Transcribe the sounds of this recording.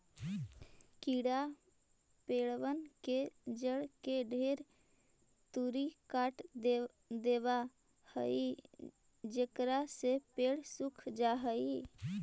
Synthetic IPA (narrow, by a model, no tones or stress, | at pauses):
kiɽa | peːɽʋənked͡ʒəɽkeɖʱeɾ | t̪uɾikaːʈ̪ | d̪eba | həi | d͡ʒekɾasepeɽsukʰd͡ʒaɦəi